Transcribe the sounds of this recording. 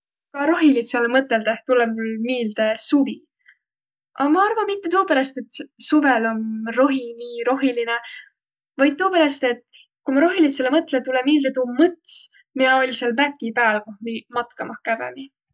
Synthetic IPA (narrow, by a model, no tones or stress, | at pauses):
kɑɾo̞ɦilit̪selːemɤt̪ˑːeld̪̥eht̪uleulmiːld̪̥esuvi | ʔɑmɑɑrvɑmit̪ːe̞t̪oːpeɾɑst̪e̞t̪suvelo̞nro̞ɦiniːɾo̞ɦiline | vɑjd̪̚t̪oːpeɾɑst̪e̞t̪ˑ | kumɑɾo̞ɦilit̪selːemɤt̪ːˑlet̪ulemiːld̪et̪umɤt̪s | miɑolʲselmæk̪ːipæːlkohmimɑt̪kɑmɑhkævḛvi